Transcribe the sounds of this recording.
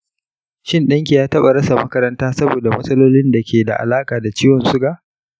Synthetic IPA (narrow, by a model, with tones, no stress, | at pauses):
ʃɪ˦nɗɐ˦ŋk̬ʲi˨jaː˦tɐ˦ɓa˨ɾɐ˦sa˨mɐ˦kɐ˦ɾɐ˦ntaː˦sɐ˦boː˨da˨mɐ˦sʼɐ˦loː˦lɪ˦nda˨kʲeː˨da̰˨ʔa̰˨laː˦kʼaː˨da˨t͡ʃiː˦wɔ˨nsʊ˦ɡa˨ʔ